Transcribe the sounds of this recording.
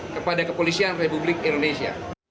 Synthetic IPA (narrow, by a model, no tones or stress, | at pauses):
kəpadakəpolisianrepublɪkindonesia̰